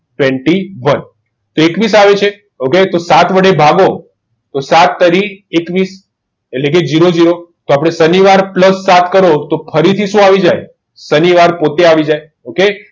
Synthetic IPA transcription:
ʈʋɛ̃ɳʈiʋən | t̪oekʋisaʋet͡ʃʰe | oket̪osat̪ʰʋəɽebʱaɡo | t̪osat̪ːəɾiekʋis | eʈlek̬ed͡ʒiɾod͡ʒiɾot̪oapɽ̃esəniʋaɾpləsːat̪ʰkəɾot̪opʰəɾit̪ʰiʃũaʋid͡ʒaj | səniʋaɾpot̪eaʋid͡ʒaj | oke

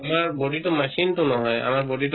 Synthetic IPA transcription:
maɹboditʊmasintʊnɔɦɔja̰maɹbɔdit

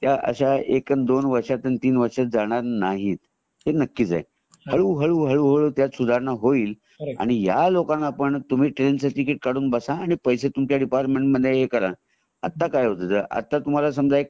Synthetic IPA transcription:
t̪jaʔə̰ɕaekənd̪onʋəɾʂat̪ənt̪iːnʋəɾʂad͡zaɽ̃aɾnaɦiːt̪ | henəkːiːt͡sa̰j | həɭuːɦəɭuːɦəɭuɦəɭət̪jat͡ssud̪ʱaɾnaɦoiːl | a̰ɽ̃ijalokãnːapəɳt̪um̤iːʈɾensaʈikiʈ̚kaɽuːnbəsaːɽ̃ipəjset̪umkjaɖipaɾʈmeɳʈməd̪ʱjeɦekəɾa | a̰t̪ːakajɦot̪ət̪əʔa̰t̪ːat̪um̤alasəmd͡zʱaek̚

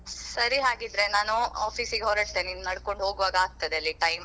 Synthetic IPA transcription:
sɐɾiɦaːɡid̪ɾe̞naːnuaːpʰiːsiɡeɦoɾɐʈt̪eninunɐɽko̞ɳɖɦo̞ːɡuʋaːɡɐaːɡ̚t̪ɐd̪eɐlːiʈɐjm

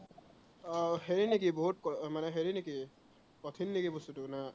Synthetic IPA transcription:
ɦeɹinikibɔɦut̪̚kmanɛɦeɹineki | pɔt̪ʰinːekibɔst̪utuna

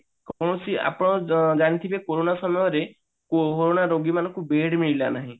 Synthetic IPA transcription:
kɔɽ̃ɔsia̰pɔɽ̃ɔd͡ʒaɽ̃it̪ʰibekoɾonasɔmɔjɔɾe | ooɾonaɾoɡimanɔŋkubeɽmiɭilanaɦĩ

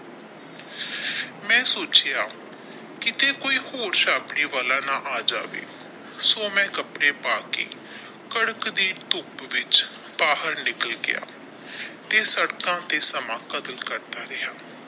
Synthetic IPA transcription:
mɛ̃ːsoːt͡ʃjaː | kɪt̪eːkoːiːhoːɾʃaːpɽiːʋaːlaːnãːʔaːd͡ʒa̰ːʋḛː | soːmɛ̃ːkəpɽeːpaːkḛː | kəɽəkd̪iːʈ̪ʊpʋɪt͡ʃ | paːɦəɾnɪkəlɡɪ̰ja̰ː | t̪eːsəɽkãːt̪eːsəmãːkəd̪əlkəɾd̪aːɾɪɦaː

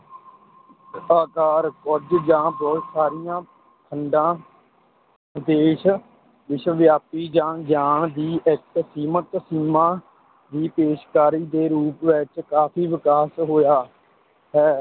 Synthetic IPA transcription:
aːkaːɾkɔd͡ʒd͡ʒãːbɔːt̪saːɾɪjãː | k̪ʰəɳɖãː | d̪eːʃ | ʋɪʃʋjaːpiːd͡ʒãːd͡ʒaːɳd̪iːʔɪksiːmət̪siːmãː | d̪iːpeːʃkaːɾiːd̪eːɾuːpʋɪt͡ʃkaːfʰiːʋɪkaːsɦoːjaː | ɦɛː

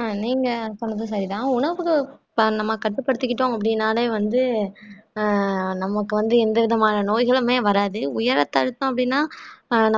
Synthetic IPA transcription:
niːŋɡɐsɔnːɐðɯ̃s̬ɐɾɪt̪ãːʊɳɐʋɯkːɯ | nɐmːɐkɐʈːɯpːɐɽɯt̪ːɯkːɪʈːõːɐpːɐɽɪnːaːleːʋɐnd̪ɯ | nɐmɐkːɯʋɐnd̪ɯɛnd̪ɐʋɪðɐmaːnɐnoːjɣɐɭɯmeːʋɐɾaːðɯʊjɐɾɐt̪ːɐɾɯt̪ːʊ̃ɐpːɐɽɪnːaːnɐ

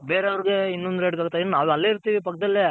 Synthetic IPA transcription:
beːɾeɐʋɐɾiɡeinːond̪uɾeːɖkaːɡut̪ːajid̪nnaːʋuɐlːeiɾt̪iːʋipɐkːɐd̪ɐlːe

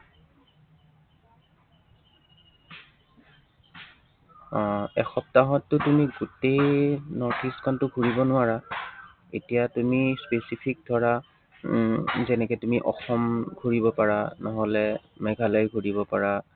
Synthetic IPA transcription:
ɔ̃ɛxɔp̚taɦɔtːʊtumiɡutejnɔɹtʰiskʰɔntʊɡʱuɹibɔnʊaɹa | etijatumispesipʰik̚dʱɔɹa | zɛnɛkɛtumiʔɔ̰xɔmɡʱuɹibɔpaɹanɔɦɔlɛmɛɡʱalaɹɡʱuɹibɔpaɹa

